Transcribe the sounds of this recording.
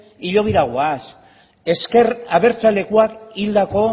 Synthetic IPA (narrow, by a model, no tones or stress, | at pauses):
iʎo̞β̞iɾaɣoas | e̞ske̞ɾaβe̞ɾt͡sale̞kuakild̪ako̞